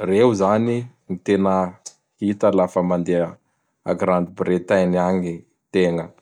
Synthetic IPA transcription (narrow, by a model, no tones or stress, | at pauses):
reɦuzaninit̪enə | hit̪əlafəmand̪eə | a̰ɡɾand̪ibret̪ajniaŋi | t̪eŋə